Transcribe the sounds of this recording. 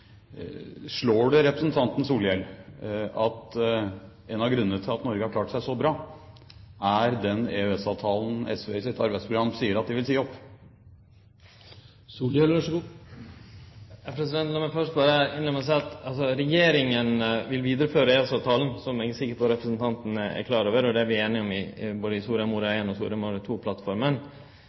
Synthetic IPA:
ʂɭoːɖɛɾɛpɾəsn̩t̪ʰɑnt̪ən̩suːljɛl | ɑt̪ | ɛnɑɡɾʉnːənət̪ʰɪlɑt̪nɔɾɡəhɑɾkʰlɑːʈsæɪsɔbɾɑː | ʔæɾd̪ɛneʉɛsɑʋt̪ʰɑːln̩ɛ̰sʋeːɪsɪt̪ɑɾbæɪspʰɾʊɡɾɑmsiːəɾɑt̪̚d̪ɪʋɪlsiːəɔpː | suːlølʂɡu | jɑpʰɾɛsɪd̪ɛnt̪lɔməfœʂʈ̚bɑːɾəɪnlɛməs̬æɪɑt̪ɑlsɔɾɛjeːɾɪŋənʋɪlʋiːd̪əɾəføːɾəeɛsɑːʋt̪ʰɑːlən̩sɔmɛːɡəsɪkːəpʰɔɾɛpɾəsənt̪ʰɑnt̪ənəæ̰kʰlɑːɾoːʋəɾɔd̪ɛæɾʋɪeːnɪɔmɪboːd̪əɪsuːɾɑmuɾɑeːnɔsṵːɾɑmuːɾət̪ʰuːpʰlɑt̪fɔɾmən

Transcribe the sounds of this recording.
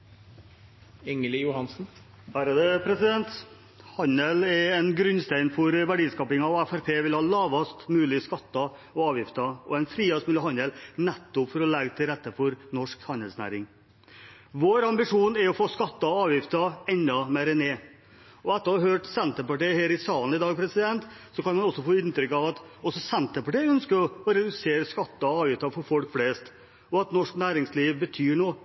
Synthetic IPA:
ɪŋəljʊhɑnsn̩ | hæːɾəd̪ɛpʰɾɛsɪd̪ɛnt̪ | hɑnəlɛɛnɡɾʉnst̪æɪnfɔɾʋæɖiːskɑːpɪŋɑʋæfæɾpʰeːʋɪlhɑːlɑːʋɑst̪mʉːlɪskɑt̪ːɑɔɑːʋjɪft̪ɑɔɛnfɾiːɑsmʉːlɪhɑnəlnɛt̪ːʊpfɔɾɔlɛɡt̪ʰɪɾɛt̪ːəfɔɾnɔʂkhɑnhɛlsnæ̰ːɾɪŋ | ʋoːɾɑmbɪʂuːnɛɾɔfoːskɑt̪ːɑɑːʋjɪft̪ɑɛnd̪ɑmeɾəneː | ɔɛt̪ːəɾɑɾɦøːʈsɛnt̪əpɑʈiheːɾɪsɑːln̩ɪd̪ɑːɡ̚pʰɾɛsɪd̪ɛnt̪ | sɔkɑnmɑnɔsɔfoːɪnt̪ɾʏkːɑʋɑt̪ɔsɔsɛnt̪əpɑʈiœnskəɾɔɔɾɛd̪ʉseːɾəskɑt̪ːɑɔɑːʋjɪft̪ɑfɔɾfɔlkfleːst̪ | ɔɑt̪nɔʂknæːɾɪŋsliːʋbət̪ʰyːɳoː

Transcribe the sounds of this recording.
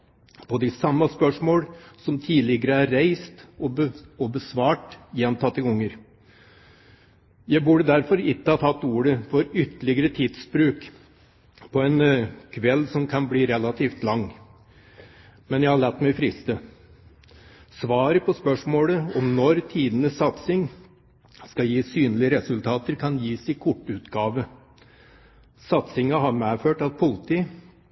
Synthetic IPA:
pʰɔd̪ɪsɑmːɑspœʂmoːlsɔmt̪ʰiːd̪lɪɡəɾəæɾːæɪst̪ɔəɔbəsʋɑːʈjɛnt̪ʰɑt̪ːɪʊŋːəɾ | jæɪbʉɖəd̪æɾfɔɾɪkːəhɑt̪ʰɑt̪ːuːɾəfɔɾʏt̪ːəlɪɡəɾət̪ʰiːd̪sbɾʉːk | pʰɔɛnkʰʋɛlːsɔmkʰɑnbliːɾɛlɑt̪ʰiːft̪lɑŋː | mɛnjæɪhɑɭæt̪ːmɛɪfɾɪst̪ə | sʋɑːɾəpʰɔspœʂmoːləɔmnɔɾt̪ʰiːd̪ənəsːɑt̪sɪŋ | skɑjiːsyːnəlɪəɾɛsʉlt̪ʰɑːt̪əɾkʰɑnjiːsɪkʰʊʈːʉːt̪ɡɑːʋə | sɑt̪sɪŋɑɦɑɾmeːføːʈɑtpʰʊlt̪ɪ

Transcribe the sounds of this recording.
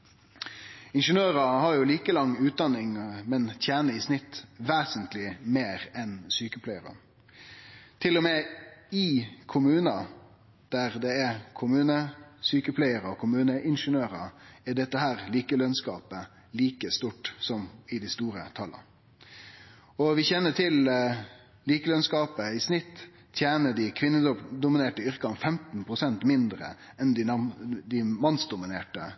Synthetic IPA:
ɪnʂənøːɾəhɑɾjʊliːkəlɑŋːʉːt̪̚d̪ɑnːɪŋmɛnt̪ʰjæːnəɪsnɪt̪ːʋeːsənt̪lɪmeːɾɛnsyːkəpʰlæɪəɾɑ̰ | t̪ʰɪlːɔmeːɪkʰʊmʉːnɑ | d̪̥æʁd̪ɛækʰʊmʉːnəsyːkəpʰlæɪəɾɔkʰʊmʉːnəʔɪnʂənøːʁəæɖɛt̪ːəɦæːɾliːkəlœnskɑ̰ːpə | liːkəst̪uːʈsɔmɪd̪ɪst̪uːɾə̰t̪ʰɑlːɑ̰ | ɔʋɪçɛnːəʈʰɪl | liːkəlœnskɑːpəɪsnɪt̪ː | t̪ʰjæːnəɖɪkʰʋɪnːəd̪ʊmɪneːʈəʏɾkɑnfɛmt̪n̩pʰɾʊsɛnt̪mɪnd̪ɾə̰ | ɛnd̪ɪd̪ɪmɑnsd̪ʊmɪneːʈə

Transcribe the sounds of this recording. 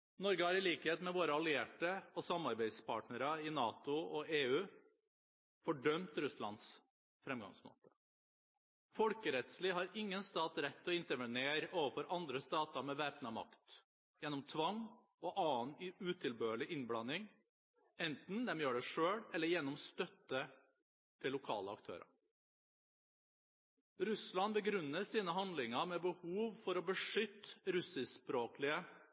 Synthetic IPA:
nɔɾɡəhɑɾɪliːkəheːt̪mɛʋoːɾəɑlɪeːʈəɔsɑmːɑɾbæɪd̪spʰɑːʈnəɾɑɪnɑːt̪ʊɔeːʉː | fɔɖœmt̪ɾʉslɑ̰ns | fɾɛmɡɑ̰ŋsmo̰ːt̪ə̥ | fɔlkəɾɛt̪sliːɦɑɾɪŋːənst̪ɑːt̪ɾɛt̪ːɔɪnt̪əɾʋəneːɾəʔoːʋəfɔɾʔɑnd̪ɾəst̪ɑːt̪ɑɾmɛʋeːpnɑmɑ̰kt̪ | jɛnɔmt̪ʰʋɑŋ | ɔʔɑːnʉːt̪ʰɪlbøːəɭɪʔɪnblɑnːɪŋ | ɛnt̪n̩d̪ɛmjøːɖɛʂøːɽɛlːəjɛnːɔmst̪œt̪ːə | t̪ʰɪlːʊkʰɑ̰ːləɑkt̪ʰø̰ːɾɑ̰ | ɾʉslɑnbəɡɾʉnːəsiːnəɦɑnd̪lɪŋəmɛbəhuːʋfɔɾɔbəʂʏt̪ːɾʉsɪspɾoːklɪə

